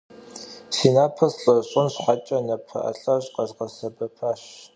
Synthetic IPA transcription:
siːnaːpʰɐsɬʼɐɕʼʊnɕħat͡ʃʼɐnɐpʰɐ̰ʔɐ̰ɬʼɐʑqɐzqɐsɐbɐpʰaːɕ

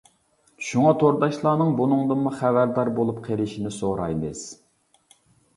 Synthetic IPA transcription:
ʃuŋɑt̪ʰoɾd̪ɑʃlˠɑːnɨŋbunɨŋd̪ɨmuχævæɾd̪ɑɾbolˠup̚qʰeɾɪʃinɪsoɾɑjmɨz̥

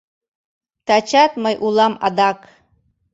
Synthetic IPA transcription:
t̪ʰat͡ʃʰat̪̚majʔulˠama̰d̪akʼ

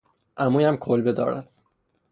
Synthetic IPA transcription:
ʔæmuːjæmkʰolbed̪ɒ̰ːɾæ̰d̪̥

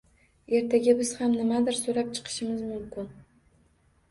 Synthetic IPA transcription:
e̞ɾt̪ʰaɡʲabɪz̥hamnɪmad̪ɪɾsoɾap̚t͡ʃʰɨ̥qʰɨ̥ʃɪmɪzmʊmkʲɪn

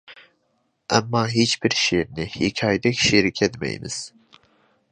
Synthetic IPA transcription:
ʔæ̰mːɑːɦet͡ʃbiɾʃeɾnɪhikʲʰɑːjd̪ɛkʲʰʃiɾikʲʰɛt̪mɛ̰j̰nɪ̰z̥

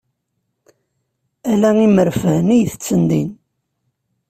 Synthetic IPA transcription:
ælæiməɾfəhnijθə̥t͡sːənd̪ḭn

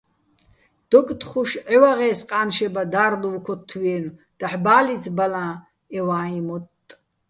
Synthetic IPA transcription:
d̪̥ɔkʼt̪χuʃʕɛwaʁɛːsqʼaːnʃɛbad̪aːɾluwkʰɔt̪ʰːwɛːnd̪̥aħbaːlit͡sbalãː | ɛwaːimɔtʼ

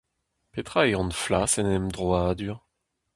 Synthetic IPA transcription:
pet̪χaeɑ̃nflasɛnɛmd̪ʁɔad̪yʁ

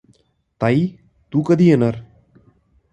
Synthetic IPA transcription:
t̪ɐj | t̪ukɐd̪ienɐɾ

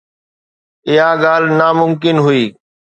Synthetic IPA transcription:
ɪɦãːɡaːl̤naːmʊmkɪnɦʊiː

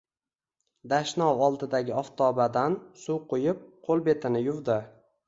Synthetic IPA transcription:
d̪aʃnɒwɒlˠd̪ɪd̪aɡʲɪɒft̪ʰɒbad̪ansuqʰojɪp̚qʰolˠbe̞t̪ʰɪnɪjʊvd̪ɪ

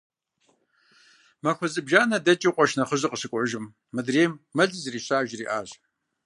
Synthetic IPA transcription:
mɐxʷɔzʼɨbʒaːnɐdɐt͡ʃʼiqʷʼɔʃnɐχəʑɨqəsɨkʷʼʊʒɪmː | ɨdreːmːɐɮɨzriːɕaːʒriːʔa̰ːʑ

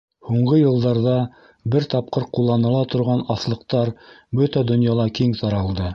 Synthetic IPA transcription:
huɴʁɤjɤ̆lˠd̪ɑɾðɑ | bɘɾt̪ɑp̚qɤɾqulˠːɑnɤ̆lˠɑt̪ŏɾʁɑnɑθlˠɤ̆qt̪ɑɾbɵt̪æd̪ŏnjɑlˠɑkiŋsɑɾɑlˠd̪ɤ

